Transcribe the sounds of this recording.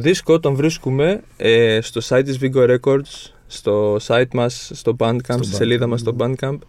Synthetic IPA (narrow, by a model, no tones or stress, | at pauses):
ðiskoot̪ɐɱvɾiskume̞est̪o̞sɐit̪ːizviɡoɾe̞ko̞ɾd̪s | st̪o̞sɐit̪mɐsːt̪o̞bɐnkɐmpst̪ise̞liðɐmɐst̪o̞bɐnd̪kɐmp